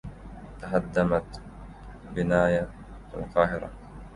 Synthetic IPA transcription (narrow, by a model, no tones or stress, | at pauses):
t̪ahad̪ːamat̪ | bɪnaːja | ɪ̰lqɑːɦɪɾa̰